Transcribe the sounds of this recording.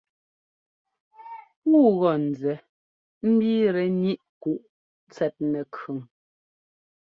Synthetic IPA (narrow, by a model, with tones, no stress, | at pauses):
ŋu˦˨ɣɔ˦˨n̩˨d͡zɛ˨˦ | m̩˦bi˦ɾɛ˨ni˦ʔku˨ʔ | t͡sɛ˨t̚nɛ˨kʰʉ˨ŋ